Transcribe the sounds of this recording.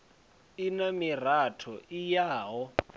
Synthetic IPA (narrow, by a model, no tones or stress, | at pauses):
inamir̤atʰɔʔijaːɦɔ